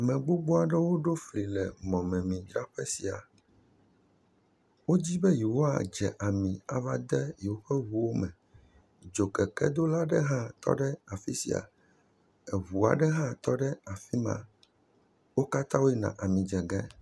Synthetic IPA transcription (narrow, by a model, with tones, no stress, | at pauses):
mɛ̃˨ɡ͡bo˦ɡ͡bo˦a˨ɖɛ˦wo˦ɖo˦fli˨lɛ˨mɔ̃˨mɛ̃˨mĩ˨d͡ʒɾa˦ɸɛ˦si˨a̰˨ | wo˦d͡ʑi˦bɛ˦ji˨wo˦a̰˨d͡ʒɛ˨ʔa˨mĩ˨a̰˨va˦d̪ɛ˦ji˨wo˦ɸɛ˦βu˦wo˦mɛ̃˨ | d͡ʒo˨kɛ˨kɛ̰˦d̪o˦la˦ɖɛ˦ɦã˦t̪ɔ̰˦ɖɛ˦a˨fi˦sḭ˨a̰˨ | ɛ˨βu˨a̰˨ɖɛ˦ɦã˦t̪ɔ˦ɖɛ˦a˨fi˦mã̰˨ | wo˦ka˦t̪ã˦wo˦ji˦nã̰˨ʔa˨mĩ˨d͡ʒɛ˨ɡɛ˦